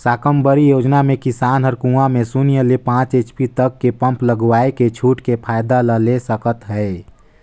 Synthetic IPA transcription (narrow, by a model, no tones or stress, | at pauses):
saːkəmbəɾijoːd͡ʒnamẽkɪsaːnɦəɾkũːamẽsunijəlepãːt͡ʃeːt͡ʃpit̪əkːepə̃mpləɡwaːeket͡ʃʰuːʈkepʰaːjd̪aləlesəkət̪ɦɛe